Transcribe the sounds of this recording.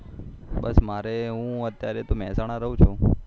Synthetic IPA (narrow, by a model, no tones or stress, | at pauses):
ɓəsmaɾeɦũət̪jaɾet̪omɛ̃ːsaɽ̃aɾəɦũt͡ʃʰũ